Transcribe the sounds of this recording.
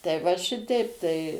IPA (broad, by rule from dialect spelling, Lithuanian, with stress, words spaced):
tɐɪ ʋɐ ˈʃʲɪtʲɛɪp tɐɪ